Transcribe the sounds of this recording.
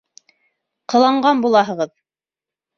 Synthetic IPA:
qɤ̆lˠɑɴɢɑnbulˠɑɦɤ̆ʁɤð

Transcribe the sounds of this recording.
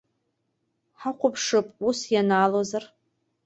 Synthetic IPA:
ħaqʷʊpʰʂɨpʼusjanaːlozar

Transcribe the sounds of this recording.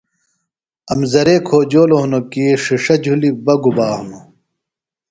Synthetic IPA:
ɐmzɐɾeːkʰoːd͡ʑoːloɦunokiʂiʂɐd͡ʑʱulibɐɡubaːhmu

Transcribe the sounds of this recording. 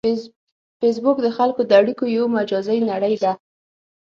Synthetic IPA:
fes̬bʊkd̪əxalkod̪əaɽikojawmad͡ʒɑzəjnaɽəjd̪a

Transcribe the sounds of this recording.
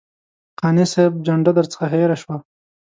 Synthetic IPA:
qɑneseb̚d͡ʒaɳɖad̪əɾt͡sə̥xaɦeɾaʃwa

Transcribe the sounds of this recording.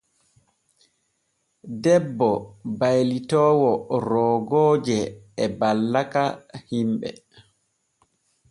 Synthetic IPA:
dɛbːɔbajlitɔːwɔɾɔːɡɔːd͡ʒɛːbalːakahimɓɛ̰

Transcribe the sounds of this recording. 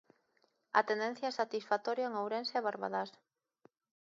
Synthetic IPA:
a̰t̪end̪en̟θjaɛsat̪isfat̪ɔɾjaeŋawɾenseɛβaɾβa̰ðas

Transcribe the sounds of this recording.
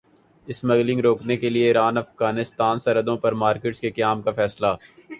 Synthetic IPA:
ɪsmɐɣlɪ̃ŋɡɾoːknekelieiːɾaːnɐfɣaːnɪst̪aːnsɐɾəd̪õpɐɾmaːɾkɪːʈskekɐjaːmkafɛːslaː

